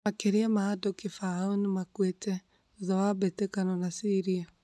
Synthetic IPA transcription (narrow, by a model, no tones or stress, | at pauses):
makeɾeamaːdokefaaonmakwetɛ | oðɔwabetekanɔnasiɾia